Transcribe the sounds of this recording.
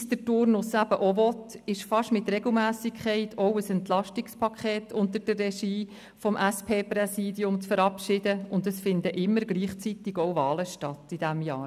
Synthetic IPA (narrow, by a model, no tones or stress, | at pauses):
sd̪̥ətʊɾnʊsæb̥əʔɔvɔtɪʃfɑʃmɪt̪rɛɡ̥l̩ˠmæːsɪkʰχɛɪtʰɔʊəsɛntlɑʃtɪkspʰɑkʰχeːtʰʊnt̪əɾd̥ərrɛʃiː | fɔmʔæspʰeːprɛsiːdiʊmt͡sfəɾɑpʃɪdəʊndəsfɪndəʔɪmːəɾɡliːχt͡sit̪ɪɡɔwvɑːləʃtɑtid̥æmjɑːɾ